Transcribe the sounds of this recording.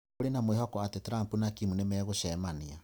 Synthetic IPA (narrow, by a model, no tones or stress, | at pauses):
oɾenamweɦɔkɔatetɾampunakimunemɛɣoʃɛmania